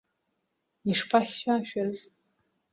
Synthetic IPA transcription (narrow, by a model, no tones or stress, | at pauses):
iʂpʰaχːaʃᶣaz